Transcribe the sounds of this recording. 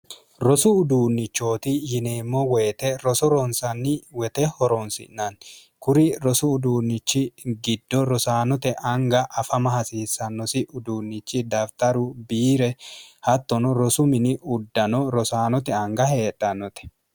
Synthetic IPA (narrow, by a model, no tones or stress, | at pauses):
ɾɔsʊːd̪uːnːɪt͡ʃːo̞ːt̪ɪjɪne̞ːmːɔwɛjt̪ɛɾɔsɔɾɔnsɐnːɪwɛt̪ɛhɔɾɔnsɪ̰nːɐn | kʊɾɪɾɔsʊːd̪uːnːɪt͡ʃːɪɡɪd̪ːɔɾɔsaːnɔt̪ɛʔɐŋɡɐʔːɐfɐmɐhɐsiːsːɐnːɔsɪʔʊd̪uːnːɪt͡ʃːɪd̪ɐft̪ɐɾʊbiːɾɛhɐt̪ːɔnɔɾɔsʊmɪnɪʔʊd̪ːɐnɔɾɔsaːnɔt̪ɛɐŋɡɐhe̞ːtʼːɐnːɔt̪ɛ̥